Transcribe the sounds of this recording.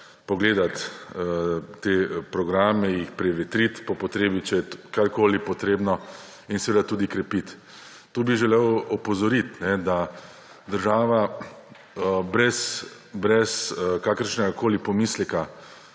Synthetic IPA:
pɔɡleːd̪at̪ət̪eːpɾɔɡɾaːmɛjixpɾɛʋɛt̪ɾit̪pɔpɔt̪ɾeːbit͡ʃɛjɛkaɾkoːlipɔt̪ɾeːbnɔ | insɛʋeːd̪at̪uːd̪ikɾɛpit̪ː | oːbiʒɛlewɔpɔzɔɾit̪nɛd̪a | d̪əɾʒaːʋa | əbɾɛs | bɾɛskakəɾʃnɛɡakoːlipɔmiːslɛka

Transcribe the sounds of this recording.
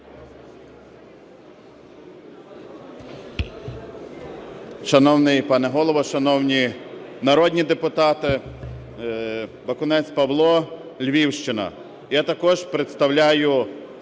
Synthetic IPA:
ʃɐnɔwnɪjpɑnɛɦɔlˠɔʋɔʃɐnɔwnʲinɐɾɔd̪ʲnʲid̪epʊt̪ɑt̪ɪ | bɐkʊnɛt͡sʲpɐʋlˠɔ | lʲʋʲiwʃt͡ʃɪnɐ̰ | jat̪ɐkɔʒpɾet̪st̪ɐwlʲajʊ

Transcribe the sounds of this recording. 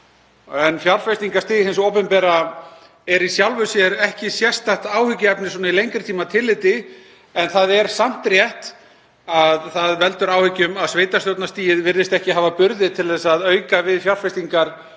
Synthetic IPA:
ɛnfjaɾ̥fɛst̪iŋkast̪iːɦensowpɛmpɛːɾa | ɛɾisjawlvʏsjɛɾɛhcɪsjɛst̪aht̪aːwhʏcːɪɛpnɪsoːnailejŋkɾɪ̥t̪ʰiːmat̪ʰɪlːɪt̪ɪ | ɛnθaðɛɾ̥sam̥t̪rjɛht̪ | aðθaðvɛlt̪ʏɾaːwhʏcːʏmaðsveːjt̪ast̪jowt̪nast̪iːjɪðvɪɾðɪst̪ɛhcɪɦaːvapʏɾðɪðt̪ʰɪlðɛsaðœɥkavɪðfjawɾ̥fɛst̪iŋkaɾ̥

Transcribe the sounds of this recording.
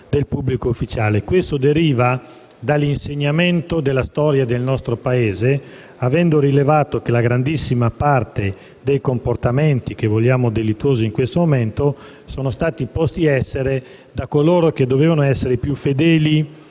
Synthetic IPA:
d̪elpubːlikoufːit͡ʃaːlekwest̪od̪eɾiːva | d̪alinseɲːament̪od̪elːast̪ɔːɾjad̪elnɔst̪ɾopaeːze | avɛnd̪oɾilevaːt̪okelaɡɾand̪isːimapart̪e | d̪ejkomport̪ameɛnt̪ikevoʎːaːmod̪elit̪ːuwoːziːŋkwest̪omoment̪o | soːnost̪aːt̪ipɔst̪iɛsːeɾe | d̪akoloːɾok̟ed̪ːoveːvanoɛsːeɾepjufed̪ɛːli

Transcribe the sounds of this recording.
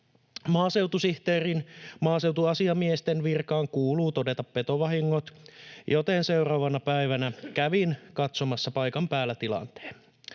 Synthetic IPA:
mɑːse̞wt̪usiht̪eːrinmɑːse̞wt̪uɑsiɑmiest̪enʋirkɑːŋkuːluːt̪ode̞t̪ɑppe̞t̪oʋɑɦiŋːot̪jot̪ense̞wrɑːʋɑnɑpæiʋænækæʋinkɑt̪somɑsːɑpɑjkɑmpæːlːæt̪ilɑ̰nt̪e̥ːn

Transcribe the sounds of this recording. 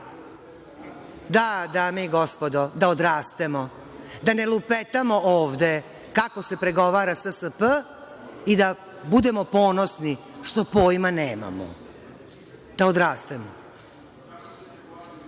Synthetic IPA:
d̪ad̪aːmeiɡospo̞d̪od̪aod̪ɾaːst̪emo | d̪ane̞lupet̪amo̞ʔoːʋd̪e̞ | kako̞se̞pɾe̞ɡo̞ʋaːɾasəsəpə | id̪a | bud̪e̞mo̞po̞ːno̞sni | ʂt̪o̞poːjmaneːma̰mo̰ | d̪̥aod̪ɾaːst̪emo

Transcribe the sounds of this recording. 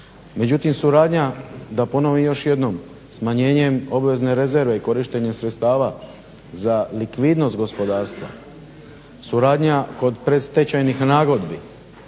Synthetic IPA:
me̞d͡ʑut̪imsuɾaːd̪ɲad̪apo̞no̞ʋijo̞ʃje̞d̪no̞m | smaɲe̞ːɲe̞mo̞bʋe̞zne̞ɾe̞ze̞ɾʋe̞iko̞ɾiʃt̪e̞ɲemsɾe̞t̪st̪aːʋa | zalikʋid̪no̞st̪̚ɡo̞spo̞d̪aːɾst̪ʋa̰ | suɾaːd̪ɲako̞d̪pɾe̞st̪e̞t͡ɕajnixnaːɡo̞d̪bi

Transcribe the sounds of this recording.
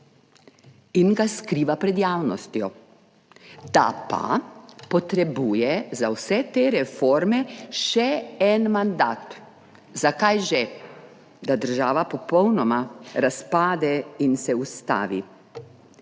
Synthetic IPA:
inɡaskɾiːʋapɾɛd̪jaːwnɔst̪jɔ | d̪a̰pa̰pɔt̪ɾɛbuːjɛzawsɛt̪eːɾɛfoːɾmɛʃɛɛnmand̪aːt̪ | zakajʒɛ | d̪ad̪əɾʒaːʋapɔpɔwnɔmaɾaspaːd̪ɛinsɛust̪a̰ːʋḭ

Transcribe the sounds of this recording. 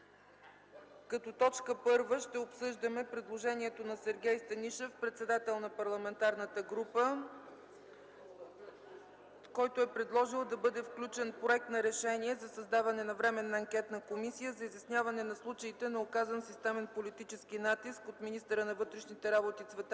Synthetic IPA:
kɐt̪ɔt̪ɔt͡ʃkəpɤɾvəʃt̪ɛopsɤʒd̪əmɛpɾɛd̪lˠoʒɛnʲiɛt̪onɐsɛɾɡʲɛjst̪ɐniʃɛfpɾɛt̪sɛd̪at̪ɛlˠnɐpɐɾlˠɐmɛnt̪aɾnət̪əɡɾupə | kɔjt̪oɛpɾɛd̪lˠɔʒilˠd̪ɐbɤd̪ɛfklʲut͡ʃɛnpɾoɛk̚t̪nɐɾɛʃɛniɛzɐsɐzd̪avɐnɛnɐvɾɛmɛnːɐːŋkʲɛt̪nəkomisijəzɐizjɐsnʲjavɐnɛnɐslˠut͡ʃəit̪ɛnɐokazənsist̪ɛmɛnpolit̪it͡ʃɛsk̟inat̪iskot̪minist̪əɾənɐvɤt̪ɾɛʃnit̪ɛɾabot̪isvɛt̪

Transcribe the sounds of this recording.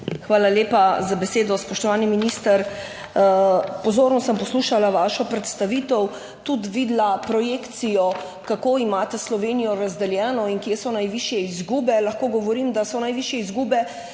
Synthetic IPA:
xʋaːlaljeːpazabɛseːd̪ɔspɔʃt̪ɔʋaːniminist̪əɾ | pɔzoːɾnɔsəmpɔsluːʃalaʋaːʃɔpɾɛt̪st̪aʋiːt̪ɔw | t̪ut̪ʋiːd̪lapɾɔjeːkt̪sijɔ | kakoːimaːt̪ɛslɔʋeːnijɔɾazd̪ɛljɛːnɔiŋkjesɔnajʋiʃjɛizɡuːbɛlɐxkoːɡɔʋɔɾiːmd̪asɔnajʋiːʃjɛizɡuːbɛ

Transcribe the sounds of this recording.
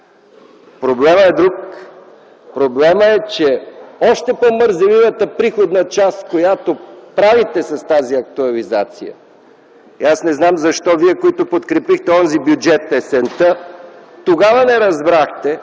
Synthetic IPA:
pɾoblɛməɛd̪ɾuk | pɾoblɛməɛt͡ʃɛɔʃt̪ɛpoməɾzɐvivət̪əpɾixod̪nɐt͡ʃaskojat̪opɾavit̪ɛsɐst̪aziɐk̚t̪oɐlizat̪sḭjə̰ | iasnɛznamzɐʃt̪ɔviɛkoit̪opot̪kɾɛpixt̪ɛɔnzibjud͡ʒɛt̪ɛsɛnt̪ət̪oɡavɐnɛɾɐzbɾaxt̪ɛ

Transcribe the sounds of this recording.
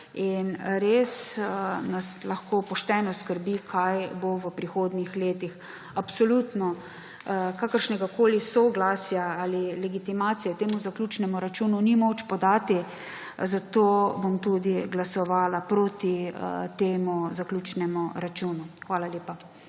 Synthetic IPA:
inɾeːsnaslaxkopɔʃt̪ɛnɔskəɾbikʰajboʋəpɾixoːd̪nixleːt̪ix | apsɔlut̪nɔ | kaːkəɾʃnɛɡakoːlisɔɡlaːsjaalilɛɡit̪imaːt̪sijɛt̪eːmuzaklʲuːt͡ʃnɛmuɾat͡ʃununimoːt͡ʃpɔd̪aːt̪i | zat̪oːbomt̪ud̪iɡlasɔʋaːlapɾot̪it̪eːmuzaklʲuːt͡ʃnɛmuɾat͡ʃunuxʋaːlaleːpa

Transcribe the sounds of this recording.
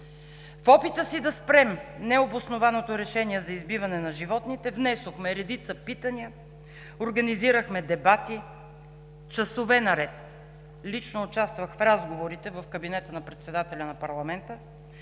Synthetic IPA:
fɔpit̪əsid̪ɐspɾɛmnɛobosnovanot̪oɾɛʃɛniɛzɐizbivɐnɛnɐʒivɔt̪nit̪ɛvnɛsoxmɛɾɛd̪it̪səpit̪əniə | oɾɡɐniziɾəxmɛd̪ɛbat̪i | t͡ʃɐsovɛnɐɾɛt̪ | lit͡ʃnoːt͡ʃast̪vəxfɾazɡovoɾit̪ɛvɐfkəbinɛt̪ənɐpɾɛt̪sɛd̪at̪ɛlʲɐnɐpɐɾlˠɐmɛnt̪ə

